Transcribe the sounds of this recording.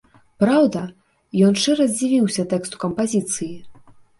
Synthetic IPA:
pɾawd̪ɐ | jɔnʂɨɾɐzʲd͡zʲivʲiwsʲɐt̪ɛkst̪u̥kɐmpazʲit̪sɨji

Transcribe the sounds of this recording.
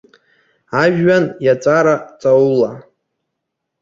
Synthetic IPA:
aʒᶣɥanjat͡sʼaɾat͡sʼaula

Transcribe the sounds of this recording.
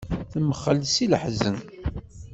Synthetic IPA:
θəməχːəlːsiləħzən

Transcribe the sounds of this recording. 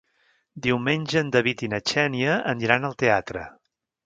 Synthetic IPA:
d̪iwmenʲʒəːnd̪əβit̪inət͡ʃɛniəəniɾanəlˠt̪eat̪ɾə̰

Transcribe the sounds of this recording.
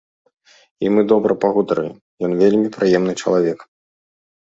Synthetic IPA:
imɨd̪ɔbɾɐpaɣud̪ɾɨ̰jʲimjɔnvʲelʲmʲipɾɨjɛmnɨt͡ʂɐ̰lˠavʲɛk

